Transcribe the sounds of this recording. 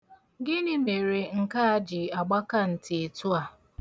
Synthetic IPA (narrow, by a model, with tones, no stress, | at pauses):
ɡɪ˦nɪ˦me˨ɾe˨ŋ̩˨ka˦a˦d͡ʒɪ˨a˨ɡ͡ba˦ka˦n̩˨tɪ˨e˨tu˦a˨